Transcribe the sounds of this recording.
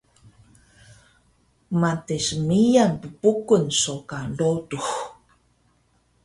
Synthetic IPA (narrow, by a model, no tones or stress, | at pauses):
matesmijanpəpukunsokadotux